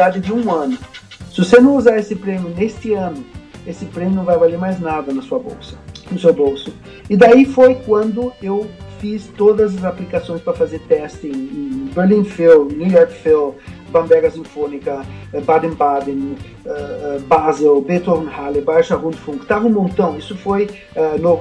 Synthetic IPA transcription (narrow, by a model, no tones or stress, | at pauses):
d̪ad͡ʒ̪ɪd̪ɪũɐ̃nʊ | sɪʊsenɐ̃w̃uzaɾesɪpɾẽmjʊnest̪ɪɐ̃nʊ | esɪpɾẽmʲjʊnɐ̃w̃vajvaleɾmajznad̪ɐnɐsuɐbo̰wsɐ̥nʊsewbowsʊ | ɪd̪aifojkwɐ̃nd̪ʊewfist̪od̪ɐzɐzaplikasõj̃spɾɐfazeɾt̪ɛst̪ɪ̃beɾlĩnfilnujɔɾkfil | bɐ̃mb̪ɛɡɐsĩfõnikɐɛbad̪ẽnbad̪ẽn | ɛɛbazelbet̪onhalibajʃɐʁũd̪fũkt̪avɐnʊ̃mõnt̪ɐ̃w̃isʊfoj | ɛno